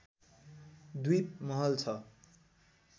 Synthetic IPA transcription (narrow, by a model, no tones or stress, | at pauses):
d̪ijt̪̚mʌɦʌlt͡sʰʌ